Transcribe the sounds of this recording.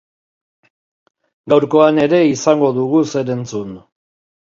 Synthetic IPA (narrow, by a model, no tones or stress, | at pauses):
ɡawɾko̞ane̞ɾe̞isaŋɡo̞ðuɣ̞use̞ɾe̞nt͡sun